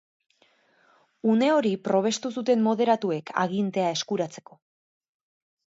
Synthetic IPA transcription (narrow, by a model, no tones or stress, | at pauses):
une̞o̞ɾipɾo̞β̞e̞st̪usut̪e̞mmo̞ðe̞ɾat̪ue̞kʰa̰ɣ̞int̪e̞ae̞skuɾat͡se̞̥ko̞